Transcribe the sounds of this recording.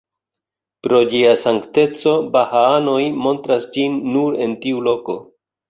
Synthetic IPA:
pɾo̞d͡ʒiasaŋkte̞t͡so̞bahaano̞jmo̞ntɾasd͡ʒinːuɾe̞ntiulo̞ko̞

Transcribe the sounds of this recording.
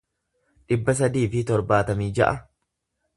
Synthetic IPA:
ᶑɪbːɐs̬ɐd̪iːfɪt̪ɔɾbaːt̪ɐmiːd͡ʒɐ̰ʔɐ

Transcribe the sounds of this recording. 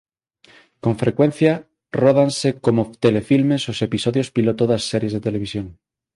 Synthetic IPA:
kõɱfɾekwẽn̟θja | roð̞ansekomot̪elefilmesosepisoðjospilot̪oðasːɛɾjezðet̪eleβ̞isjoŋ

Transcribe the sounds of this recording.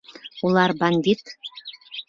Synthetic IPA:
ulˠɑrbɑnʲd̪ʲit̪

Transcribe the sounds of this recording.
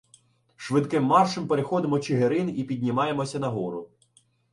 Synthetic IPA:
ʃʋɪd̪kɪmːɑrʃɪmpeɾexɔd̪ɪmɔt͡ʃɪɦeɾɪnipʲid̪ʲnʲimɑjemɔsʲɐnɐɦɔɾʊ

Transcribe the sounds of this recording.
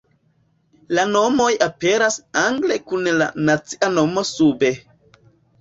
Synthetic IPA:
lano̞mo̞jape̞ɾasaŋɡle̞kunla̰nat͡si̥ʔano̞mo̞sube̞

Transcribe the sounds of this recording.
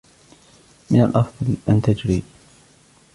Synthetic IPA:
mɪna̰lʔɑfðˤɑlʔant̪ad͡ʒɾiː

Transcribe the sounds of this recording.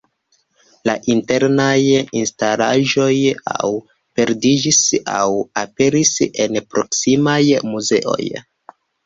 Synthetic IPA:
laʔinte̞ɾnajinstalaʒo̞ja̰w | pe̞ɾdid͡ʒisa̰wape̞ɾise̞npɾo̞ksimajmuze̞̰ʔo̞̰j

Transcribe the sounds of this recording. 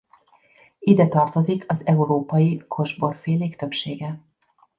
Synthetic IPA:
id̪ɛt̪ɒrt̪o̞zikʰɒzɛuɾoːpɒjikʰo̞ʒbo̞rfeːleːkt̪ø̞pʃeːɡɛ

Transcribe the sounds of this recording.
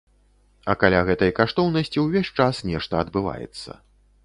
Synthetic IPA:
ɐkalʲaɣɛt̪ɐjkaʂt̪ɔwnɐsʲt͡sʲiwvʲesʲt͡ʂasnʲɛʂt̪ɐɐd̪bɨva̰jɛ̰t̪sːɐ̰

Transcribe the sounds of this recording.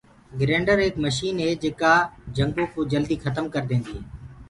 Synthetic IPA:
ɡɾẽːɳɖəɾeːkməʃiːnɦeːd͡ʒeːkaːd͡ʒəŋɡõːkoːd͡ʒəld̪iːxʰət̪əmkəɾd̪ẽːnd̪ieː

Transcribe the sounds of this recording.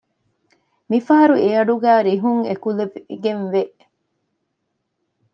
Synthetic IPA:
mifɐɦɐɾueɐɖuɡæːɾiɦuŋekuleɡenʋeʔ

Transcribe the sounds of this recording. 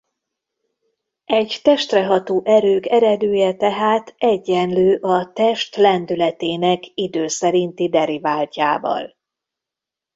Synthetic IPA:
ɛɟt̪ɛʃt̪rɛɦɒt̪oːʔɛɾøːkɛɾɛd̪øːjɛt̪ɛɦaːt̪ʰɛɟːɛnløːʔɒt̪ɛʃt̪lɛnd̪ylɛt̪eːnɛkid̪øːsɛɾint̪id̪ɛɾivaːlcaːvɒ̰l

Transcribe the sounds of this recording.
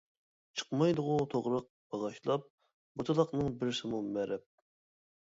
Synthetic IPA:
t͡ʃʰə̥qmɑjd̪ʊʁʊt̪ʰoʁɾɑq̚b̥ɑʁɑʃlˠɑp̚ | but̪ʰɨlˠɑqnɨŋbɪɾsɪmumɛɾɛp̚

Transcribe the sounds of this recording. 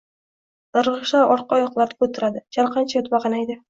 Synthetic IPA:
ɨɾʁɨʃaɒɾqɑɒjɒqlˠaɾd̪ɪ̥kʲʰɵt̪ʰɪɾad̪ɪd͡ʒaɾqʰɑnt͡ʃʰajot̪baqɑnajd̪ɪ

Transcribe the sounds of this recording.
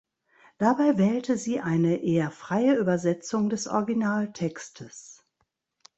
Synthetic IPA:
d̥abaɪvɛːltʰəziːʔaɪnəʔeːɐfʁ̥aɪəʔyːbɐzɛt͡sʊŋdɛsʔɔ̰ɐɡinaːltʰɛkstʰəs

